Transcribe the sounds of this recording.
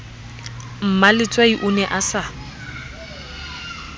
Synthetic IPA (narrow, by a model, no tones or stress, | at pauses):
m̩malɪt͡sʼwaiʔʊnɛʔasa